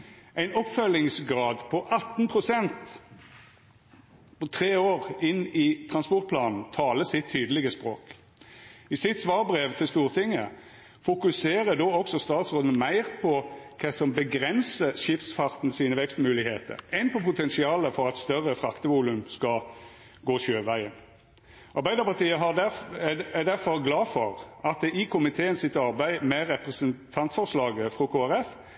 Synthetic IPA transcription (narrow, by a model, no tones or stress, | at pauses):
æɪnɔpfœlɪŋsɡʁɑːd̪pʰɔʔɑt̪ːnpʰʁʊsɛnt̪ | pɔt̪ʰʁeːoːʁɪnɪt̪ʰʁɑnspɔʁt̪̚pʰlɑːnn̩t̪ʰɑːləsɪt̪ʰːyːd̪əlɪɡəspʁoːk | ɪsɪt̪sʋɑːʁbʁeːʋt̪ʰɪlst̪uːʁt̪ʰɪŋːə | fʊkʉseːʁəd̪oːɔksɔst̪ɑːt̪sʁoːd̪n̩mæɪʁpʰɔk̪ʰɛsɔmbəɡʁɛnsəʃɪpsfɑʁt̪n̩siːnəʋɛkst̪mʉːlɪheːt̪ə̰ɾɛɪnpʰɔpʰʊt̪ʰɛnsɪɑːləfɔɾɑt̪st̪œʁəfɾɑkt̪əʋuːlʉmskɑ | ɡoːɕøːʋæɪən | ʔɑɾbæɪd̪əpɑʁt̪iːəɦɑd̪ææd̪æɾfɔɾɡlɑːfɔɾɑt̪̚d̪ɛʔɪkʰʊmɪt̪ʰeːənsɪt̪ɑɾbæɪmɛɾɛpʁəsənt̪ʰɑnt̪fɔʁslɑːɡəfʁoːkʰoːæɾɛf